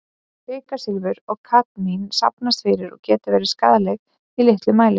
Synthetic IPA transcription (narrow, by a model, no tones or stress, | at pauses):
pɪːkasɪlvʏɾɔɣkʰat̪ninsa̰pnast̪fɪɾɪɾɔ̰ɣcɛːt̪ɪvɛːɾɪska̰ːðalɛɣ | ilɪht̪lʏmaːjlɪ